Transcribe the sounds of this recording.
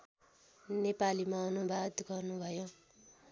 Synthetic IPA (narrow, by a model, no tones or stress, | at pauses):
nepalimaʌnubʱad̪ɡʌrnubʱʌjo